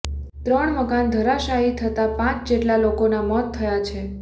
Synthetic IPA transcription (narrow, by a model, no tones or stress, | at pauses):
t̪ɾəɳməkand̪ʱəɾaʃaɦit̪ʰət̪apãt͡ʃd͡ʒeʈlalokonamɔt̪ʰːəjat͡ʃʰe